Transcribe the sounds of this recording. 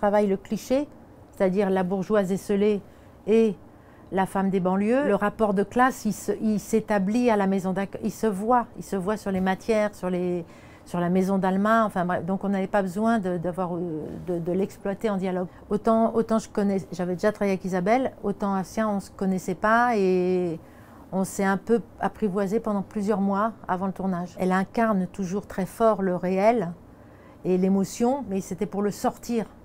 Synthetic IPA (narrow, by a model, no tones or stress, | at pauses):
t̪χavajləkliʃe | se̥t̪ad̪iʁlabuʁʒwazesəle | e | lafamd̪ebɑ̃ljøləʁapɔʁd̪əklasilsəilset̪ablialamezɔ̃d̪ɛ̃kilsəvwailsəvwasyʁlemat̪jɛːʁsyʁle | syʁlamezɔ̃d̪almãɑ̃fɛ̃bʁɛ̰d̪ɔ̃kɔ̃navɛpabəzwɛ̃d̪əd̪avwaʁød̪əd̪əlɛksplwat̪eɑ̃d̪jalɔɡ | ot̪ɑ̃ot̪ɑ̃ʒəkɔnɛʒavɛd̪eʒat̪χavajeakizabɛlot̪ɑ̃asjɛ̃ɔ̃sə̥kɔnɛsɛpae | ɔ̃sɛɛ̃pøapχivwazepɑ̃d̪ɑ̃plyzjœʁmwaa̰vɑ̃lət̪uʁnaʒɛ̰lɛ̃kaʁnt̪uʒuʁt̪χɛfɔʁləʁeɛl | elemɔsjɔ̃mɛset̪ɛpuʁləsɔʁt̪iːʁ